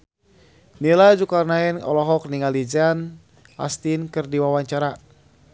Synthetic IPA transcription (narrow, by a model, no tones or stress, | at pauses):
nilad͡ʒukarnaɛnɔ̰lɔɦɔkniŋalid͡ʒan | a̰st̪inkɨrdiwawaɲt͡ʃaɾa